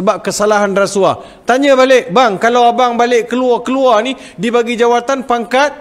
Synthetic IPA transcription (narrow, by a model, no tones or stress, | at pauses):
əbap̚kəsalaɦanrasua | t̪aɲə̃balɪʔ̚baŋkalawabaŋbalɪʔkəluarkəluarni | dibaɡid͡ʒawat̪anpaŋkat̪̚